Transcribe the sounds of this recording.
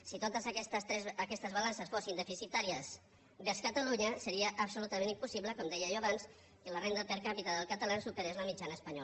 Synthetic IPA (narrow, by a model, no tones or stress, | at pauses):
sit̪ot̪əzsɛzːkɛst̪əzβalansəsfosind̪əfisit̪aɾiəs | beskət̪əluɲəsəɾiəʔːpsulut̪əmẽnimpusiβləkɔmd̪ɛjəʒɔaβans | kələrend̪əpəɾkapit̪əðəlˠkət̪əlasupəɾezləmid͡ʒanəːspəɲɔ